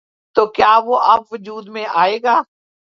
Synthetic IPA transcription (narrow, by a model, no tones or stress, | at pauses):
t̪oːkjaːʋoːʔɐpʋʊd͡ʒuːd̪mẽːʔaːeːɡaː